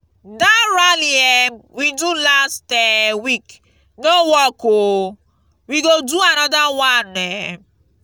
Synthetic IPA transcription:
daɾaliɛmwidulastewik | nowɔko | wiɡoduanɔdawanɛ

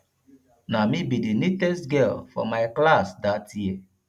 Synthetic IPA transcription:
namibidinitɛstɡɛlfɔ̰maɪklasdatjie

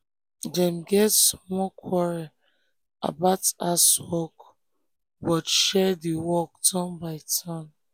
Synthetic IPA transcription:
dɛ̃mɡɛtsmɔkʰwɔɹa | a̰baʊtaswɔk | bɔtʃɛdiwɔk̚dãnbaɪtʰãn

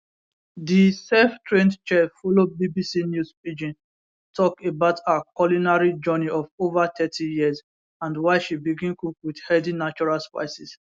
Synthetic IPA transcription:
disɛftʰɹẽndt͡ʃɛfɔlobibisinjuspid͡ʒĩn | tʰɔkebaʊtʰakɔlinaɹid͡ʒɜniɔvovatʰɛtʰijiz | ãndwaɪʃibiɡĩnkukwidhɛdinat͡ʃɔɹalspa̰ɪsis

